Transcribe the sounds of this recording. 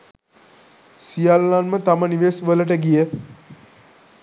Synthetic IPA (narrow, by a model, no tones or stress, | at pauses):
sijalːanmət̪aməniʋesʋələʈ̬əɡijə